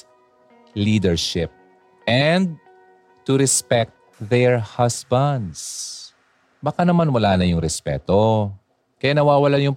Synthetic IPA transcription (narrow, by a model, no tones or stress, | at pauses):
liːd̪ɛɹʃɪp̚ | ɛnd̪̚ | t̪ʊɾɛspɛk̚t̪̚ðɛɹhasbɐnd̪s | bɐkanɐmanwɐlaːnɐjʊŋɾɛspɛ̰ːt̪o | kɐjanɐwaːwɐlajʊŋ